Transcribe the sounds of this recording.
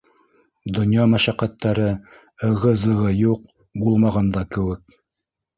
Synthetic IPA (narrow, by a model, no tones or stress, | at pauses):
d̪ŏnjɑmæʃæqæt̪ːæɾɘ | ɤ̆ʁɤzɤ̆ʁɤjuq̚ | bulˠmɑʁɑnd̪ɑkɘ̆wɘk̚